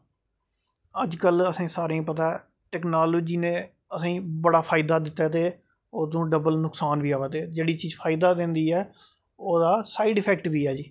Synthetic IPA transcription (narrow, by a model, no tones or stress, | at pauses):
əd͡ʒkələsĩːsaːɾeĩpət̪aːɛ | ʈɛːknaːloːd͡ʒiːnẽː | əsĩːbəɽaːpʰaːɪd̪aːd̪ɪt̪ːaːt̪eː | oːt̪õːɖəbəlnʊksaːnʋiːaːʋat̪eːd͡ʒeːɽiːt͡ʃiːzpʰaːɪd̪aːd̪ɪ̃nd̪iːɛː | oːd̪aːsaːiɖɪpʰɛːkʈʋiːɛːd͡ʒiː